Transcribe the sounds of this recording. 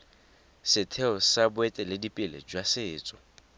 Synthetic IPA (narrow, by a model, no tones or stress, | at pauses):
sɪtʰɛɔsabʊɛtʼɛlɪdipʼɪlḛd͡ʒwasɪːt͡sʼɔ̥